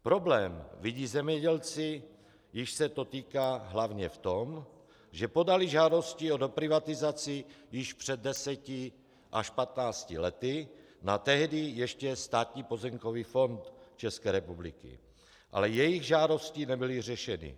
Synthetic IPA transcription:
pɾo̞blɛːmviɟiːzɛmɲɛɟɛlt͡sɪ | jɪʃsɛt̪o̞t̪iːkaːɦlavɲɛft̪om | ʒɛpo̞dalɪʒaːdo̞sciodopɾɪvat̪ɪzat͡sɪjɪʃpr̝̥ɛd̪̚dːɛsɛcɪ | ʔaʃpat̪naːscɪlɛt̪ɪ | nat̪ɛɦdɪjɛʃcɛst̪aːt̪ɲiːpo̞zɛmkoviːfo̞nt̪t͡ʃɛskɛːɾɛpublɪ̰kɪ̰ | ʔa̰lɛjɛjɪɣʒaːdo̞scinɛbɪlɪr̝ɛʃɛnɪ̰

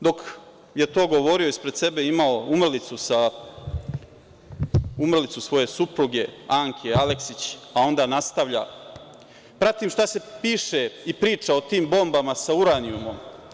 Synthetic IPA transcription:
d̪o̞k | je̞t̪o̞ːɡo̞ʋo̞ɾioispɾed̪se̞be̞imao̞umr̩lit̪susa | umr̩lit̪susʋo̞je̞supɾuɡe̞aŋkʰeale̞ksit͡ɕao̞nd̪aːnast̪aʋʎa̰ | pɾat̪imʃt̪ase̞piːʃe̞ipɾiːt͡ʂao̞t̪iːmbo̞mbamasauɾaniumo̞m

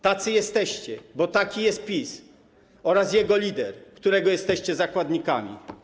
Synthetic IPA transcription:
t̪at̪sɘjɛst̪ɛɕt͡ɕɛbɔt̪akʲijɛst̪̚pʲis | ɔɾasjɛɡɔlʲid̪ɛɾkt̪uɾɛɡɔjɛst̪ɛɕt͡ɕɛzakwad̪ɲikamʲḭ

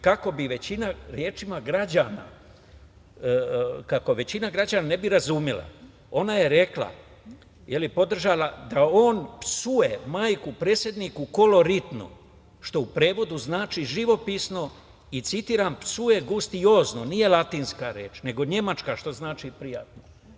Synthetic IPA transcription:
kako̞biʋe̞t͡ɕinaɾje̞ːt͡ʃimaɡɾad͡ʑaːna̰ | kako̞ʋe̞t͡ɕinaɡɾad͡ʑanane̞biɾazumjila̰ | o̞naje̞ɾe̞kla̰ | jelipo̞d̪r̩ʒaːlad̪ao̞ːnpsuje̞maːjkupɾe̞ːsje̞d̪niːkuko̞lo̞ɾit̪no̰ | ʃt̪o̞upɾe̞ːʋo̞d̪uznaːt͡ʃiʒiʋo̞pisno̞ | it̪sit̪iːɾaːmpsuje̞ɡust̪io̞ːzno̞nije̞lˠat̪iːnskaɾje̞ːt͡ʃne̞ɡo̞ɲe̞mat͡ʃkaʃt̪o̞znaːt͡ʃipɾija̰t̪no

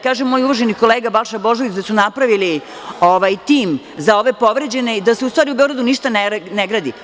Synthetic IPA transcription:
kaːʒemːo̞ːjuʋaʒeniko̞leːɡabalˠʃabo̞ʒoʋit͡ɕd̪asunapɾaʋili | oʋajt̪iːm | zao̞ʋe̞po̞ʋɾed͡ʑe̞ne̞id̪aseust̪ʋaːɾiube̞oɡɾad̪uniʃt̪aneneɡɾaːd̪i

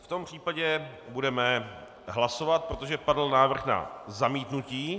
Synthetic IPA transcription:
ft̪o̞mpr̝̥iːpaɟɛbudɛmɛ | ɦlasovat̪̚pɾot̪oʒɛpadl̩naːvr̩xna̰zamiːt̪nuciː

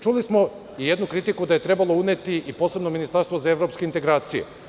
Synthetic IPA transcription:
t͡ʃulismo̞ | ijed̪nukɾit̪ikud̪aje̞t̪ɾe̞balˠo̞une̞t̪iipo̞ːse̞bno̞minist̪aɾst̪vozaevɾo̞pske̞int̪eɡɾaːt̪sijḛ

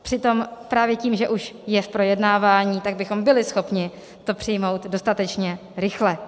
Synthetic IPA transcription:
pr̥ɪt̪o̞mpɾaːvjɛciːmʒɛʔuʃjɛfpɾo̞jɛdnaːvaːɲiːt̪aɡ̚bɪxo̞mbɪlɪsxo̞pɲɪ | t̪o̞pr̥ɪjmo̞wt̪do̞st̪at̪ɛt͡ʃɲɛ | ɾɪxlɛ

